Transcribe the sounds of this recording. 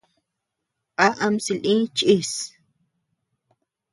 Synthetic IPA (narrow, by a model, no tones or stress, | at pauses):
qaʔamsilʔĩt͡ʃʼis